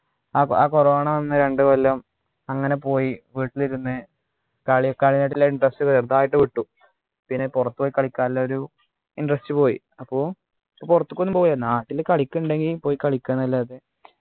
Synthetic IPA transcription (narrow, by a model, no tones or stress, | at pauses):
aːaːkoroːɳɐʋɐnːɨɾe̞ɳɖɨʋɐlːɐm | ɐŋːɐne̞po̞ːjiʋiːʈːiliɾunːɨ | kɐɭikːɐɭinaʈ̬ːilːaiɳɖrɐstɨkɐðɐrt̪aːjiʈːɨʋiʈːu | pinːepurɐt̪ːupoːjikːɐɭikʲːaːilːɐoɾu | inɖrɐstɨpo̞ːjḭ | ɐpːo̞ː | purɐt̪ːukːonːɨmpo̞ːjɐnaːʈːilkɐɭikʲːuɳɖe̞ŋɡilpo̞ːjikɐɭikʲːanːɐlːaːðe